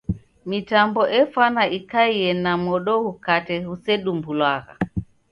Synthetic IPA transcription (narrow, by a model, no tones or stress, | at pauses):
mitambɔʔɛfanaikaiɛnamɔɗɔhukatɛhusɛɗumbulwaɣa̰